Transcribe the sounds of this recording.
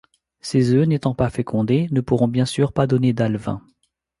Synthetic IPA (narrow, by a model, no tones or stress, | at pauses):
sezønet̪ɑ̃pafekʰɔ̃d̪enəpuʁɔ̃bjɛ̃syʁpad̪ɔned̪alvɛ̰̃